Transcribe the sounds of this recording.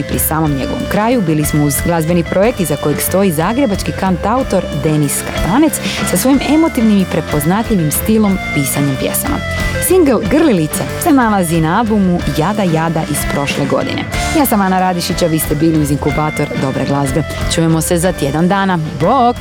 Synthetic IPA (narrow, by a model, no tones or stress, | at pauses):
ipɾisaːmo̞mɲe̞̰ɡo̞ʋo̞̰mkɾaːjubiːlismo̞uzɡlˠazbe̞nipɾʔo̞je̞k̚t̪izako̞jeɡst̪o̞izaːɡɾe̞bat͡ʃkikant̪aut̪o̞ɾd̪e̞niska̰t̪ane̞t̪ssasʋo̞jime̞mo̞t̪iʋnimipɾe̞po̞znat̪ʎiʋimst̪ilo̞mpiːsaɲempje̞̰sa̰ma̰ | siŋɡelɡr̩lilit̪sase̞nalazinaalˠbumujad̪ajaːd̪aʔispɾo̞ʃleɡo̞̰d̪ḭnḛjaːsamanaɾad̪iʃit͡ɕaʋiːst̪e̞biːliuziŋkubaːt̪o̞ɾd̪o̞bɾeɡlˠazbe̞ | t͡ʃuːjemo̞se̞zat̪je̞d̪and̪aːnabo